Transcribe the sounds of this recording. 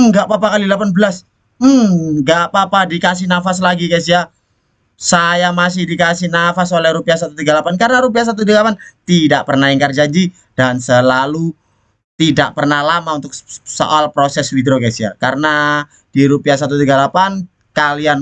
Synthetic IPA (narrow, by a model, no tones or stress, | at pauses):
ɡaʔpapakalidəlapanbəlas | m̩ɡaʔʔpapadikas̬ɪhnafaslaɡikas̬ia | sajamas̬ɪhdikasɪhnafasolɛhɾupiasat̪ut̪iɡalapankaɾənaɾup̬ias̬at̪ut̪iɡalapant̪idaʔpərnaɪŋkard͡ʒaɲd͡ʒi | dansəlalu | t̪idaʔpərnahlamaunt̪ʊk̚so̰ʔalpɾosɛslid̪ɾokasia̰kaɾəna | d̥iɾupias̬at̪̬ut̪̬iɡalapan | kalian